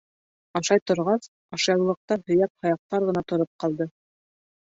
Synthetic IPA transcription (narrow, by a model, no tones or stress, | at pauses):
ɑʃɑjt̪ŏɾʁɑs | ɑʃɑw̆lˠɤ̆q̚t̪ɑhɵ̆jæp̚hɑjɑq̚t̪ɑɾʁɤ̆nɑt̪ŏɾop̚qɑlˠd̪ɤ